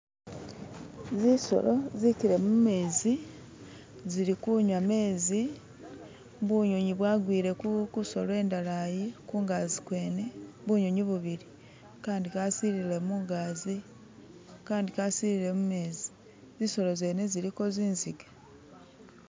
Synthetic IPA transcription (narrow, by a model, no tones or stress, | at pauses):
ziso̞̰lo̞ziciɾe̞mume̞ːzi | ziɾikuɲwame̞ːzi | βuɲo̞ɲiβwaːɡwiːɾe̞kukuso̞̰lwe̞ːndalajikuːŋɡaːzikwe̞ːne̞βuɲoɲiβuβiɾi | kaːndikasiɾile̞muːŋɡaːzi | kaːndikasiɾile̞mume̞ːzi̥ | ziso̞lo̞ze̞ːne̞ziɾiko̞ziːnziɡḁ